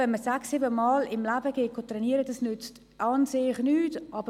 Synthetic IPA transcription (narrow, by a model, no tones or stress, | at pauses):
ɛnməsaksːiːbəmɑːlɪmlæːbəɡ̥eːkotrɛniəɾədɑsnʏt͡st | ʔɑːnseːɪχnyːtʔɑːbə